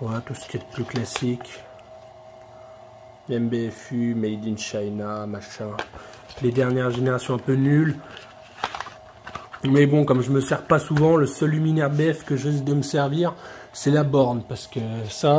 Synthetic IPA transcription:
at̪usə̥kʲiɛt̪əplyklasik | ɛmbeɛfymɛjd̪inʃajnamaʃɛ̃ | led̪ɛʁnjɛʁʒeneʁasjɔ̃ɛ̃pønyl | mɛbɔ̃kɔmʒəməsɛʁpasuvɑ̃ləsœlyminɛʁb̪eɛfkəʒəzd̪əməsɛʁviʁsɛlabɔʁnpaʁsə̥kəsa

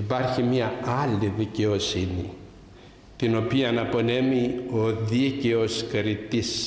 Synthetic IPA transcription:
ipɐɾçimɐɐliðice̞o̞sini | t̪ino̞piɐnɐpo̞ne̞mio̞ðice̞o̞skɾit̪is

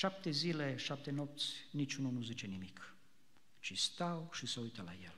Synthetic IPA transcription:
ʃap̚t̪e̞zile̞ʃap̚t̪e̞nop̚t̪sʲnit͡ʃununuzit͡ʃe̞nimik | t͡ʃist̪awʃisəujt̪əla̰jel

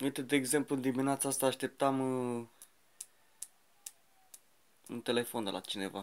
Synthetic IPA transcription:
ujt̪ed̪eːɡze̞mplund̪imineat̪saast̪aːʃt̪e̞p̚t̪am | unt̪e̞le̞fo̞nd̪ela̰t͡ʃine̞va

